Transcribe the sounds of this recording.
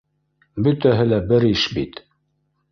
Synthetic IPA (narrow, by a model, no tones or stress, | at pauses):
bɵ̆t̪æɦɘlæbɘɾɘʃbit̪